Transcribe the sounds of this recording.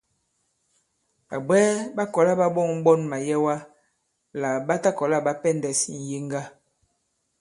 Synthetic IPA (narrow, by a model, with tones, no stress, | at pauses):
a˨bɛ˦ba˦kɔ˨la˦ba˦bɔ˦˨ŋ̩˦ɓɔ˦nma˨jɛ˦wa˦ | la˨ba˦ta˦kɔ˨la˦ba˦pɛ˦ndɛ˨si˨n̩˨je˦ŋɡa˦